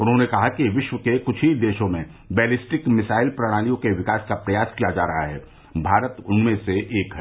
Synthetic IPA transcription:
ʊnɦõːnekɐɦakiʋɪʃwʋəkekʊt͡ʃʰid̪eːʃõmẽ | bɛːlɪsʈɪkmɪsaːɪlpɾɐɽ̃aːlijõkeʋɪkaːskapɾɐjaːskijad͡ʒaːɾɐɦaɦɛː | bʱaːɾət̪ʊnmẽseʔeːkɦɛ

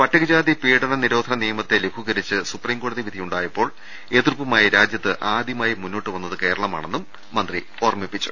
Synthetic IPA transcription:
pɐtːɐɣid͡ʑaːd̪ipiːɽɐɳɐniɾo̞ːd̪ʰʱɐnɐnijɐmɐt̪ːe̞lekʰuɣɐɾit͡ɕːɨsupriːmɡo̞ːɽɐðiʋid̪ʱijuɳɖaːjɐpːo̞ːɭ | e̞ːt̪urpːɐmaːjɐɾaːd͡ʑjɐt̪ːɨʔaːd̪jɐmaːjimunːo̞ːʈːɨʋɐnːɐðɨke̞ːɾɐɭɐma̰ːɳe̞nːumː | ɐnd̪ri | o̞ːrɐmipːit͡ɕːu̥̰

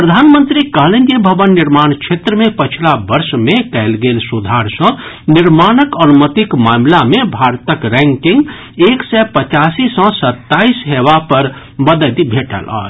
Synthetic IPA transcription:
pɾəd̪ʱanmənt̪ɾikəɦlenebʱəbənːiɾmant͡ʃʰet̪ɾəmepət͡ʃʰilabəɾsmekɛɪlɡelsud̪ʱaɾsə̃ | niɾmanəkənumət̪ikmamlamebʱaɾt̪əkɾɛ̃ŋkiŋɡ | eksɛpət͡ʃasisə̃sət̪ːaisɦeβapəɾ | bəd̪əd̪ibʱeʈə̰lə̰ː

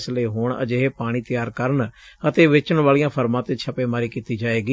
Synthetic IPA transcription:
sleːɦoːɳə̰d͡ʒeːɦeːpaːɽ̃iːt̪ɪjaːɾkəɾəɳ | ət̪eːʋɪt͡ʃəɳʋaːlijãːpʰəɾmãːt̪eːt͡ʃʰəpeːmaːɾiːkiːt̪iːd͡ʒaːeːɡiː

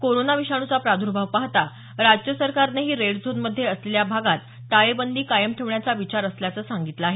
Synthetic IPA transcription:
koɾonaʋiɕaɽ̃ut͡sapɾad̪ʱuɾbʱaʋpaɦt̪a | ɾad͡ʑkjəsəɾkaɾneɦiːɾeɽd͡zʱod̪məd̪ʱːjeəsleljabʱaɡat̪ːajebənd̪iːkajəmʈʰeʋɳjat͡saʋit͡ɕaɾəsljat͡səːsaŋɡit̪laaɦe

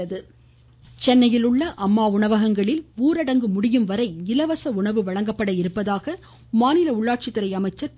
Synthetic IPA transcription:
ɐðɯ | t͡ʃɛnːɐjɪlɯɭːɐʔɐmːaːʊɳɐʋɐɣɐŋɡɐɭɪluːɾɐɽɐŋɡɯmʊɽɪjɯmʋɐɾɐɪɪlɐʋɐsɐʊɳɐʋɯʋɐɭɐŋɡɐpːɐɽɐɪɾɯpːɐðaːɣɐ | maːnɪlɐʊɭːaːʈ̚t͡ʃɪt̪ːɯɾɐɪɐmɐɪt͡ʃːɐɾ

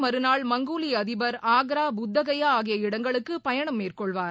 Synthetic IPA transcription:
mɐɾɯnaːɭmɐŋɡuːliɐðɪbɐɾaːɡɾaːbʊd̪ːɐɣɐjaːɣɪjɐɪɽɐŋɡɐɭɯkːɯpɐjɐɳɐmːeːrkɔɭʋaːɾ

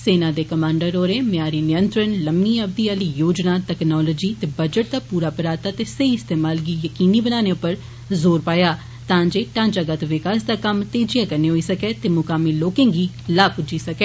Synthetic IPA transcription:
seːnãːd̪eːkəmãːɳɖəɾɦoːɾeːmɪjaːɾiːnɪjə̃nt̪ɾənləmniːəb̚d̪iːaliːjoːd͡ʒnaːʈɛːknɔːlɔːd͡ʒiːt̪eːbəd͡ʒəʈ̚d̪aːpuːɾaːpəɾaːt̪aːt̪eːsəiːɪst̪eːmaːlɡiːjəkiːniːbənaːneːʊpːəɾ | zoːɾpaːjaː | t̪ãːd͡ʒeːʈãːnt͡ʃaːɡət̪ʋɪkaːsd̪aːkəmt̪eːd͡ʒijaːkəɾneːɦoiːsəkeːt̪eːmʊkaːmiːloːkẽːɡiː | laːpʊd͡ʒiːsəkeː

